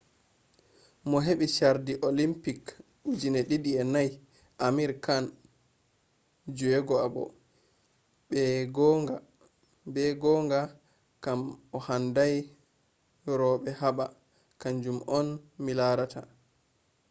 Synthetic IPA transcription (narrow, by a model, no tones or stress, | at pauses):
mɔɦeɓiʃaɾdiʔolimpik | ud͡ʒinɛɗiɗiɛnaj | ʔamiɾkan | d͡ʒuɛɡɔabɔ̰ | bɛɡɔŋɡa | bɛɡɔŋɡa | kamɔhandaj | ɾɔɓɛhaɓa | kaɲd͡ʒumʔɔnmilaɾatʰa